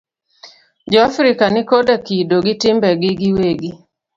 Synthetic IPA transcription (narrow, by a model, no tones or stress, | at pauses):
d͡ʒɔafɾɪkanɪkodakidoɡitɪmbɛɡɪɡiweɡi